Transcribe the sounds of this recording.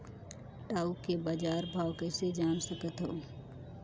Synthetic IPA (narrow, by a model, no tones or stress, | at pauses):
ʈaːukebad͡ʒaːɾbʱaːʋkəːsed͡ʒaːnsəkət̪ɦoː